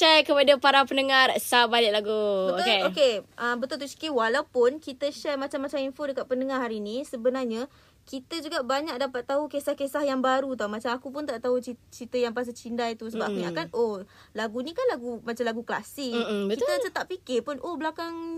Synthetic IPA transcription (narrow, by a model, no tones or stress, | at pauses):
ʃɛkəpadapaɾapənəŋarsabalɪʔ̚laɡubəokeokeʔəbət̪ʊlt̪ut͡ʃi̥kiwalawpʊnkit̪əʃɛrmat͡ʃamːat͡ʃaminfodəkat̪̚pənəŋarɦaɾinisəbənarɲa | kit̪əd͡ʒuɡaʔbaɲak̚dapat̪ːaɦukesahkesahjaŋbaɾut̪̬awmat͡ʃamakupʊnt̪aʔt̪aɦut͡ʃit͡ʃɾit̪əjaŋpas̬at͡ʃindajt̪usəbaʔakuɲakano | laɡunĩkanlaɡumat͡ʃamlaɡukəla̰sɪʔbəkit̪ət͡ʃət̪aʔ̚pikɪpʊnʔohbəlakaŋ